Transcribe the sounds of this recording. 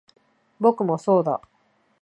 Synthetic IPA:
bo̞kɯ̟mo̞so̞ːd̪a̰

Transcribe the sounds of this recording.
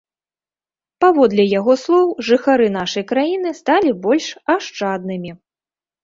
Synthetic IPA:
pavɔd̪lʲɛjaɣɔslˠɔwʐɨxaɾɨnaʂɐjkɾajinɨst̪alʲibɔlʲʂaʂt͡ʂad̪nɨmʲi

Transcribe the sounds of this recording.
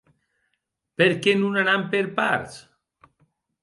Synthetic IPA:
peɾkenunanampeɾpa̰ɾs

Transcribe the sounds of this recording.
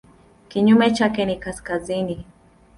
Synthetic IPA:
kiɲumet͡ʃakenikaskazini

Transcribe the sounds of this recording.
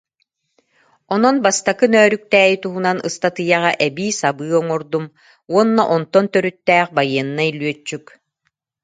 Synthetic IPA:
ɔnɔnbast̪akɯnœːɾyk̚t̪ɛːjit̪uɦunanɯst̪at̪ɯjaʁaʔɛbiːsabɯːɔŋɔɾd̪um | uɔnːɔ̰ʔɔnt̪ɔnt̪œɾyt̪ːɛːχbajɯɛnːailyœt͡ʃːyk

